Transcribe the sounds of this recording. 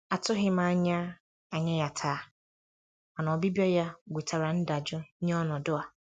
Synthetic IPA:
a˨tʰʊ˦ɦɪ˦mãː˨˦ɲ˦a˦ | a˨ɲɛ̃˦ja˨tʰaː˨˦ | a˨nã˨ɔ˨bi˦bi˦ɔ˦ja˦˨ɡʷe˨tʰa˨ɾa˨n̩˦da˨d͡ʒʊ˦ɲɛ̃˦ɔ˦nɔ̃˨dʊ˦a˨

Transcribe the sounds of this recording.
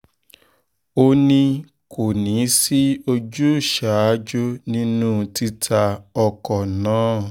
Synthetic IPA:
o˧nĩ˧ | kʰo˨nĩ˨˦si˦o˧d͡ʒu˦˨ʃa˨˦d͡ʒo˦nĩ˦nũ˦ti˦tʰa˧ɔ˧kɔ˨nãː˨˦

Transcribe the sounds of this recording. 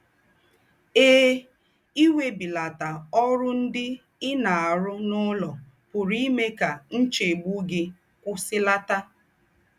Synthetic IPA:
eː˦ | i˦we˦bi˨la˨ta˨ɔ˦ɾʊ˦n̩˦dɪ˦ | ɪ˦na˨a˨ɾʊ˦nʊ˦lɔ˨ | pʊ˨ɾi˦me˦ka˨n̩˦t͡ʃe˨ɡ͡bu˦ɡɪ˦ | kʷʊ˦sɪ˦la˦ta˦

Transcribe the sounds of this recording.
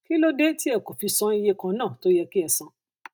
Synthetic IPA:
ki˦lo˦de˦ti˦ɛ˦˨ko˨fi˧sɔ̃˨˦i˦˧je˦kã˧nãː˦˨to˦jɛ˧ki˦ɛ˧sã˧˦

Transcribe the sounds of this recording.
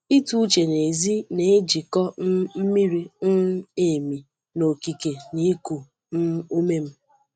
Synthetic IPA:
i˦tu˦t͡ʃe˨ne˨zi˦ne˨e˦d͡ʒi˨kɔ˦m̩˦mi˦ɾi˦n̩˦e˨mi˨ | no˨ki˨ke˨ni˦ku˨ | n̩˦u˦me˦m̩˦

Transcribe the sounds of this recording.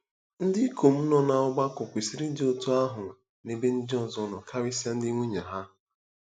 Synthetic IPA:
n̩˦dɪ˦kʰo˨m̩˦nɔ˦na˨ɔ˦ɡ͡ba˦kɔ˨kʷi˨si˦ɾi˦n̩˦dɪ˦o˨to˦a˦ɦʊ˨ | ne˦be˦n̩˦dɔ˦n˨zɔ˨nɔ˨kʰa˦ɾi˦si˦a˦n̩˦dɪ˦ŋʷu˦ɲa˨ɦa˦

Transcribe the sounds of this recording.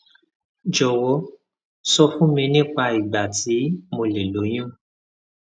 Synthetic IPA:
d͡ʒɔ˨wɔ˨˧˦ | sɔ˧fũ˦mĩ˧nĩ˦k͡pa˧i˨ɡ͡ba˨ti˨˦mo˧le˨lo˨˦j̃ũ˦˨

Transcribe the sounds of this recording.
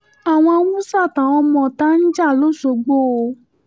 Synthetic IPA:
a˨w̃ɔ̃˧mũ˦sa˦˨tã˨ɔ̃˧mɔ̃˧˨ta˦n̩˦d͡ʒa˦˨lo˦˨so˨ɡ͡bo˦˨o˧

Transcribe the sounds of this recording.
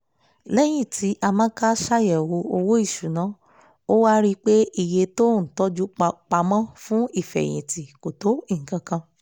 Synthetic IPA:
lɛ˦j̃ĩ˦˨ti˨˦ʔa˧mã˦ka˦ʃa˦jɛ˨wo˧o˧wo˦i˦˨ʃu˨nã˨˦ | o˦wa˦ɾi˦k͡pe˦i˧˨je˧to˦˨n̩˨tɔ˦d͡ʒu˦˧k͡pa˧mã˦fũ˦i˦˨fɛ̰˨j̃ḭ̃˨ti˨ko˨to˨˦i˦˨ŋ̩˨kã˧kã˧

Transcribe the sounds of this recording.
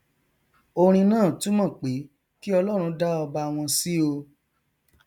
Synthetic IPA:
o˧ɾ̃ĩ˧nãː˦˨tũ˨˦mã˦˨k͡pe˨˦ | ki˦ɔ˧lɔ˦ɾ̃ũ˧da˦ɔ˧ba˧w̃ɔ̃˧si˦o˧

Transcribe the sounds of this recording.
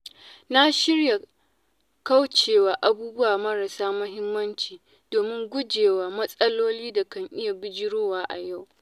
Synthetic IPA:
na˦ʃɪ˦rja˨ | ka˦wt͡ʃeː˨waː˨ʔa˦buː˦bʊ˦waː˨mɐ˦ɾɐ˨saː˦mʊ˦ɦɪ˦mːɐ˦nt͡ʃiː˨ | doː˨mɪ˦ŋɡʷʊ˦d͡ʒeː˨waː˨mɐ˦sʼɐ˦loː˦liː˦da˨kɐ˦ŋʔɪ˦ja˨bɪ˦d͡ʒɪ˦ɽoː˦waː˦ʔa˨ja˦˨w

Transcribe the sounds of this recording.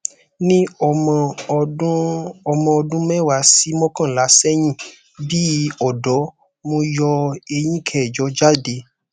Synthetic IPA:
nĩ˦ɔ˨m̃˧˦ | ɔ˧mɔ̃˧˨ɔ˧dũ˦mɛ̃˦˨wa˨˦si˨˦mɔ̃˦kã˦˨la˨˦sɛ˦j̃ĩ˦˨ | bi˦ɔ˨dɔ˨˦ | mõ˧jɔ˧e˧j̃ĩ˦kʰɛ˨d͡ʒɔ˨˦d͡ʒa˦˨de˧

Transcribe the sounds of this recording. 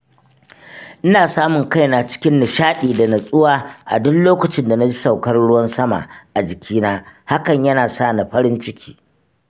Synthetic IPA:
ʔɪ˦naː˨saː˦mʊ˨ŋka˦jnaː˨t͡ʃɪ̥˦kʲɪ˦nːɪ˨ʃaː˦ɗiː˨da˨nɐ˨sʼʊ˦waː˦ʔa̰˨dʊ˦nloː˦kʷʊ˨t͡ʃɪ˦nda˨na˦d͡ʒi˦sa˨wkɐ˦rɽʊ˦wɐ˦nsɐ˦ma̰˨ʔa˨d͡ʒɪ˨kʲʰiː˦naː˦ha˦kɐ˨ɲjɐ˦naː˨sa˦˨na˨ɸɐ˦ɾɪ˦nt͡ʃɪ˦kʲʰi̥ː˦

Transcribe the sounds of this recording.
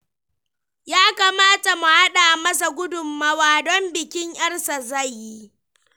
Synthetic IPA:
jaː˦ka˨maː˦ta˨mu˨ha˦ɗaː˨mɐ˦s̬a˨ɡʷʊ˦dʊ˨mːaː˦waː˨dɔ˦mbɪ˨kʲɪ˦ŋʔɐ˦rsa˨za˦˨jːi˦

